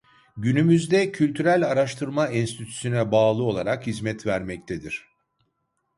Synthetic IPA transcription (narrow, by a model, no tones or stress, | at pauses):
ɟynymyzd̪ɛcʰylʲt̪ʰyɾælʲaɾaʃt̪ʰɯɾmainst̪ʰit̪ʰy̥synɛbaːlˠɯo̞lˠaɾakhizmɛt̪væɾmɛc̚t̪ʰed̪iɾ̥